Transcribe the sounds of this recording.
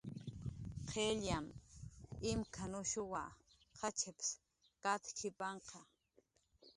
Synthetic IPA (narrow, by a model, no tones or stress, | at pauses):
qʰeʎjam | ɪmkʰanʊʃʊwa̰ | xat͡ʃeps | kat̪kʰɪpɑɴqɑ